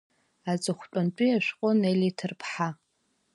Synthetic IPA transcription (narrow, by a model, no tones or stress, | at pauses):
at͡sʼɨχʷt͡ʃʼant͡ʃʼijaʃʷᶣqʼʊnelitʰɨrpʰħa